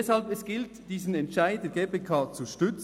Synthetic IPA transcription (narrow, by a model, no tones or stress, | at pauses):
ɛshalbɛsɡ̥ɪltd̥iːzn̩ɛntʃaɪd̚d̥eːɐɡeːpeːkʰaːt͡suʃtʏt͡s